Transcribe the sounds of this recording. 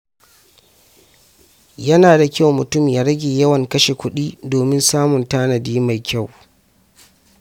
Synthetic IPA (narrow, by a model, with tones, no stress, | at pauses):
jɐ˦naː˨da˨kʲa˦˨wmʊ˨tʊ˦mjaː˦ɾɐ˦ɡʲeː˨jɐ˦wɐ˨ŋkɐ˦ʃe˨kʷʊ˦ɗiː˦doː˨mɪ˦nsaː˦mʊ˨ntaː˦nɐ˨diː˦ma˨jkʲa˦˨w